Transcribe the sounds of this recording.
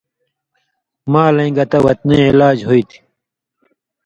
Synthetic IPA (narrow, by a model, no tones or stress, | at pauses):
maːlɐ̃ŋɡɐt̪ɐwɐt̪nẽːilaːd͡ʑɦoit̪ʰi̥